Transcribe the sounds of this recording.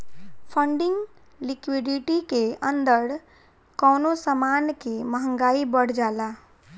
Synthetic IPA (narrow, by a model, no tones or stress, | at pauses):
pʰəɳɖɪŋɡ | likwiɖiʈikeə̃nd̪əɾ | kɔːnosamankeməɦə̃ŋɡaibəɽ̤d͡ʒaːla